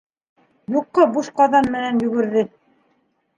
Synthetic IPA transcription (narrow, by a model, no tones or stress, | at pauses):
juqːɤbuʃqɑðɑnmɘ̆nænjɵ̆ɡɘ̆ɾðɘ